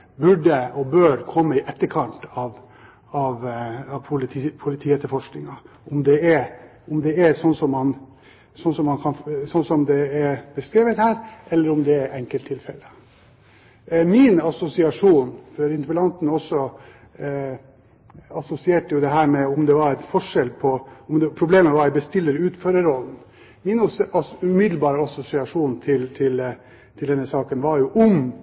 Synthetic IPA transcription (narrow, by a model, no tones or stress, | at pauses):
bʉɖːəɔbøːɾkʰɔmːəɪʔɛt̪ːəɾkʰɑnt̪ɑʋ | ɑʋɑpʰʊlʰpʰʊlɪt̪ʰiːɛt̪ːəɾfɔʂknɪŋɑ | ʊmd̪ɛɛɾ | ʊmd̪ɛɛsɔnːsɔmːɑn | sɔnsɔmːɑnkʰɑnsɔnːsɔmd̪ɛɛɾbəskɾeːʋət̪hæːɾʔɛlːəɾʊmd̪ɛɛɾʔɛŋkəlt̪ʰːɪlfɛ̰lːə | mɪnɑsʊsɪɑʂuːnfɔɾɪnt̪əpəlɑnt̪nɔsːɔ | ɑsʊsɪeːʈəjʊd̪ɛɦæːɾmɛʊmd̪ɛʋɑɾɛt̪fɔʂɛlpʰɔɔmd̪ɛpʰɾʊbleːməʋɑɾæbəst̪ɪlːəɾʉːt̪føːɾəɾɔlːn̩ | mɪnʉmɪd̪l̩bɑːɾəɑsʊsɪɑʂuːnt̪ʰɪlt̪ʰɪl | t̪ʰɪld̪ɛnːəsɑːkənʋɑɾjʊʔʊm